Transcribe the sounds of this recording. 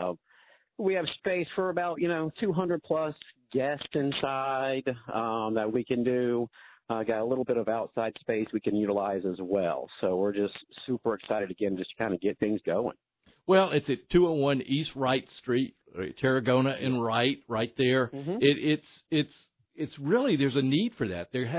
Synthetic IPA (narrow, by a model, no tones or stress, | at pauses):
wiɨv̥speɪsfə˞əbaʊʔjɨnoʊtʰʉɦʌ̃ndɹəd̚pʰl̥ʌsɡ̥ɛstɨ̃nsaɪdʌ̃mðɨt̚wikɨ̃ndɨ | ɡɑɾəlɪɾl̩ˠbɪɾʌvaʊtsaɪd̥speɪswikɨ̃njʉɾəlaɪzɨzwɛ̰lˠsoʊwɪɹd͡ʒʌstsʉpə˞ɨksaɪɾɨdɨɡɛ̃nd͡ʒʌskʰãɪ̃ndɨɡɛt̪̚θɪ̃ŋzɡoʊɪ̰̃ŋ | wɛlˠɪtsɨtʰʉoʊwʌ̃nist̚ɹaɪtstɹ̥it̚tʰɛɹɨɡõʊ̃ñɨʔɨ̃nɹaɪt̚ɹaɪt̪̚ðə˞ɪɾʔɪtsɪts | ɨtsɹɪlˠiðə˞zɨnid̥fə˞ðæ̰t̪̚ðə˞